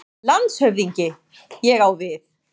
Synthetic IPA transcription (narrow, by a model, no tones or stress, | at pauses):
lant̪shœvðiɲcɪ | jɛɣawvɪθ